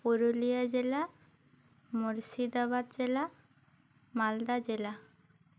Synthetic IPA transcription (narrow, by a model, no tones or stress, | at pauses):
poɾolijad͡ʑela | moɾsid̪abad̪d͡ʒela | mald̪ad͡ʑela